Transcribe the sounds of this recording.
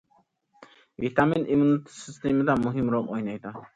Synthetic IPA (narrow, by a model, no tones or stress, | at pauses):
vit̪aminʔimunit̪ʰi̥sist̪emd̪amuɦimɾɔmɔjnajd̪a